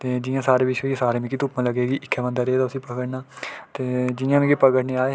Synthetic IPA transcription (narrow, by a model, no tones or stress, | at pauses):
t̪eːd͡ʒɪjãːsaːɾeːbɪʃeːesaːɾeːmẽːkiːt̪ʊpmãːləɡeːɡiːʔɪkʰːɛːbə̃nd̪aːɾeːt̪aːʊsĩːpəɡəʈnaːt̪eːd͡ʒɪãːmẽːkipəɡəʈneːaːe